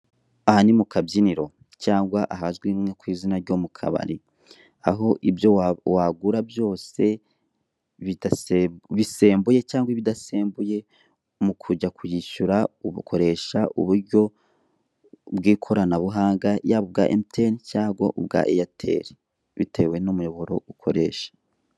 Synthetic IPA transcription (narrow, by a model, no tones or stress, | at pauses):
ahanimukabjiniɾo̞ | caːŋɡwaʔaɦazɡwiːmŋekwiːzinaɾɟo̞mukʰa̰βa̰ɾi | aɦo̞ʔibjo̞waɡuɾabjo̞ːse̞ | βidaβise̞ːmbuje̞caːŋɡwaβidaseːmbuje̞ | mukʰuɟakʰujiʃuɾauβukʰo̞ɾe̞ʃaʔṵβuɾɟo̞ | bɡiːkʰo̞ɾanaβuɦaːŋɡajaβob̚ɡa̰ʔemitʰencaːɡwo̰ʔub̚ɡa̰ʔejatʰe̞̰ɾi | βḭtʰe̞we̞numujo̞βo̞ɾo̞̰ukʰo̞̰ɾe̞ːʃḁ